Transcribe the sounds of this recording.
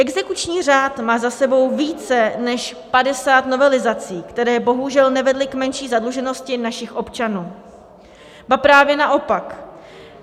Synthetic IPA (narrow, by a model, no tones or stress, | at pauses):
ʔɛɡzɛkut͡ʃɲiːr̝aːt̪maːzasɛbo̞wviːt͡sɛnɛʃpadɛsaːt̪no̞vɛlɪzat͡siːkt̪ɛɾɛːbo̞ɦuʒɛlnɛvɛdlɪkmɛnʃiːzadluʒɛno̞scɪnaʃɪxʔo̞pt͡ʃanuː | bapɾaːvjɛnaʔo̞pak